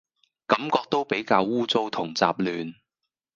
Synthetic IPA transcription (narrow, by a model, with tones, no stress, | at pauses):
kɐ˨˥mkɔː˧k̚t̪o˥wpe˨˥jkaː˧wuː˥t͡so˥wt̪ʰʊ˨˩ŋt͡sa̰ː˧p̚lyː˨n